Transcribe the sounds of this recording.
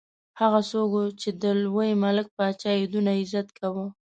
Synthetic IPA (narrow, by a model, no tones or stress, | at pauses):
haɣasoɡot͡ʃed̪əlwəjmalɪk̚pəat͡ʃɑjed̪unaɪzat̪kʰawə